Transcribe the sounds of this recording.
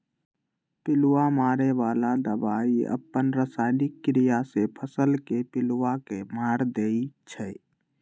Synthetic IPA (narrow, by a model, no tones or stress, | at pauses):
pɪluwamaːɾeʋalad̪əbaːiə̰pːənɾəsaɪnɪkːɾijasepʰəsəlkepɪlwakemaːɾd̪eit͡ʃʰɛ